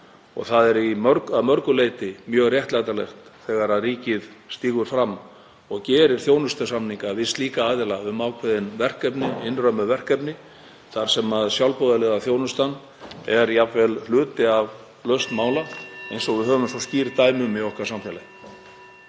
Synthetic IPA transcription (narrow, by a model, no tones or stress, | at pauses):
ɔ̰ɣθaðɛɾimœɾkaðmœɾkʏleːjt̪ɪmjœːɣrjɛht̪lajt̪alɛ̰xt̪θɛːɣaɾaðriːcɪðst̪iːɣʏɾ̥fɾamː | ɔɣcɛːɾɪɾ̥θjoːwnʏst̪asamniŋkavɪst̪liːkaaːðɪlaʏmaːwkʰvɛðɪnvɛr̥kɛpnɪɪnrœɥmʏvɛr̥kɛpnɪ | θaɾ̥sɛmaðsjawlpowðalɛːðaθjownʏst̪an | ɛɾjapvɛllʏːt̪ɪav | lœst̪maːwlaejnsɔɣvɪðɦœːvʏmsɔsciːɾt̪aːjmʏmːɪohkvaɾ̥samfjalaj